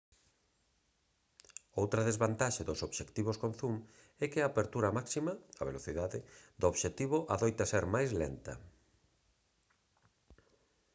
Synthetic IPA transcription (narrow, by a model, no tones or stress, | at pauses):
owt̪ɾɐðezβant̪aʃeðosoβʃekt̪iβ̞oskon̟θum | ɛkɪaːpeɾt̪uɾɐmaksimɐɐa̰βeloθiðaðɪd̪ooβʃet̪iβ̞ʊʔaðojt̪ɐseɾmajzlḛnt̪ɐ̰